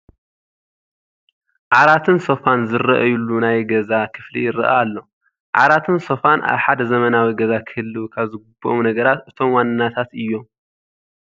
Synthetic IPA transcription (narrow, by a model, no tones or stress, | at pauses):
ʕaɾat̪ʰɨnsofanzɨɾɐʔɐjulːunajɡɐzakʰɨflḭjɪɾɨ̰ʔa̰ːlːo̞ | ʕa̰ɾat̪ʰɨnso̞fanʔa̰βħad̪ɐzɐmɐnawiɡɐzakʰɨhɨlːuwkʰaβzɨɡubːoʔomnɐɡɐɾat̪ʔɨt̪ʰo̞mwanːɨnːat̪ʰat̪ʔɨjːo̞m